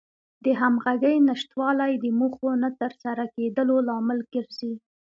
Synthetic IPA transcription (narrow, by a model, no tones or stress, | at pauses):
d̪əɦamɣaɡəjnaʃt̪wɑlajd̪əmuxonat̪əɾsaɾaked̪əlolɑmɪlɡəɾzi